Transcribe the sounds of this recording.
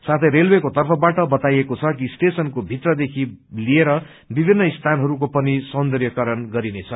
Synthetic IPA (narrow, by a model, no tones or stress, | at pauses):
sat̪ʰʌjɾelwekot̪ʌrpʰʌbaʈʌbʌt̪ajekot͡sʰʌkisʈesʌnkobʱit̪rʌd̪ekʰilieɾʌ | bibʱinːʌist̪ʰanɦʌɾuk̬opʌnisʌnd̪ʌrjʌkʌɾʌnɡʌɾinet͡sʰʌ